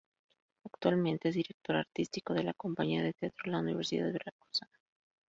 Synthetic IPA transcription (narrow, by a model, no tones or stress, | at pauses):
akt̪walmẽ̞nt̪e̞ez̬ðiɾe̞k̚t̪o̞ɾaɾt̪ist̪iko̞ðe̞lako̞mpaɲiaðe̞t̪eat̪ɾolauniβe̞ɾsiða̰ðɾakosa